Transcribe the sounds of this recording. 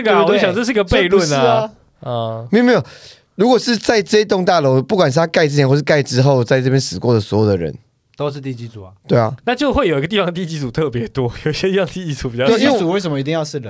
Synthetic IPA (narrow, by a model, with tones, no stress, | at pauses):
ɡɕjɑ˨ŋʈ͡ʂə˥˧ʂɻ̩˥˧i˥ɡə˨˩pe˥˧ɪlwə˥˨˩na˧˩ | mi˥˩˨me˥˩jo˨˩ | ɻu˧˥kwɔ˨˩ʂɻ̩˥˧t͡sa˥˧ɪʈ͡ʂɤ˥˧i˥t̪o˥˧ŋt̪a˥˩lo˧˦ʊpu˥˩kwa˨˩nʂ̬ɻ̩˥˩t̪ʰa˥ka˥˧ɪʈ͡ʂɻ̩˥t͡ɕʰɛ˧˥xwɔ˥˧˩ʂɻ̩˥˧ka˥˧ɪʈ͡ʂɻ̩˥xo˥˧ʊt͡sa˥˧ɪʈ͡ʂɤ˥˧p̬jɛ˥nsɹ̩˨˩kwɔ˥˩d̪ə˩swɔ˧˦˥jo˨ʊd̪ə˩ɻə̰˧˦n | t̪o˥ʊʂɻ̩˥˧t̪i˥˨˩t͡ɕi˧˥t͡su˨˩ɐ˩t̪we˥˩ɪɐ̰˩na˥˧t͡ɕjo˥˧ʊxwe˥˩jo˨˩ʊi˧ɡə˧t̪̬i˥˩fɑ˦ŋət̪i˥˧˩t͡ɕi˥t͡su˨˩t̪ʰɤ˥˨˩pjɛ˧˦t̪wɔ˦˥jo˨˩ʊi˧˩ɕjɛ˥t̪i˥˩fɑ˧ŋt̪i˥˧t͡ɕi˧˥t͡su˨˥pi˨˩t͡ɕwu˨wɪsə˨˩mə˧i˨˧t̪i˥˧jɑ˥˧ʊʂɻ̩˥˩lə˨˩